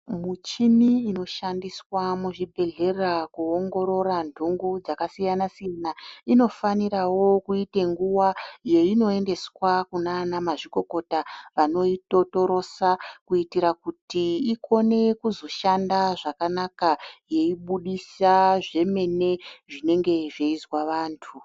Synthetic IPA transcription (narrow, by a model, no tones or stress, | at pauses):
mut͡ʃimiːno̞ʃandiswamuʐibʱe̞ɮe̞rakuoŋɡo̞ɾo̞randʱuŋɡud͡zakasijanasijanaino̞faniɾawo̞kuite̞ŋɡuwaje̞ino̞e̞nde̞swakunanamaʐiko̞ko̞taʋano̞ito̞to̞ɾo̞sakuitiɾakutiiko̞ne̞kuzo̞ʃandaʐakanakaje̞iɓuɗisaʐe̞me̞ne̞ʐine̞ŋɡe̞ʐeizwaʋaːntʰu